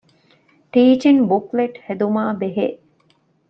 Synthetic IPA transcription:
ʈiːt͡ʃinbukleʈhed̪umaːbeɦḛʔ

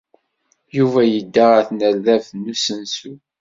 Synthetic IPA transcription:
juvæjəd̪ːaʁæθnəlðævnusənsu

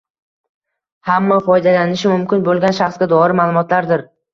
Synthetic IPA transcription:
hamːafɒjd̪alanɪʃɪmʊmkʲɪnbolˠɡʲanʃaχsɡʲad̪ɒɾɪmalˠʊmɒt̪laɾd̪ɪɾ

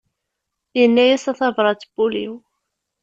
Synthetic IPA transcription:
jənːæjæsɑθɑvɾˤɑt͡sːb̥uliw

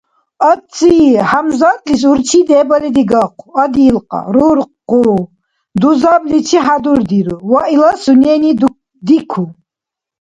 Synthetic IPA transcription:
at͡sʼiħamzat̪ʼlis̬uɾt͡ʃʰid̪ɛːbalid̪iɡaqʰuad̪iːlqʼa̰ɾuɾqqʼu | d̪uzablit͡ʃʰiħad̪uɾd̪iɾuwailasunɛni | d̪ikʰu

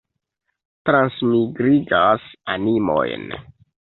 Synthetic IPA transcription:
tɾansmiɡɾiɡasanimo̰jn

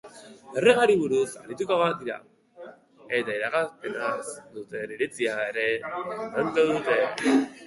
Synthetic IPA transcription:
ereɣaɾiβuɾusa̰ɾit̪ukoβad̪iɾa̰ | e̞t̪aiɾakaspe̞nasd̪ut̪e̞niɾit͡siaeɾe̞nankoðut̪e̞

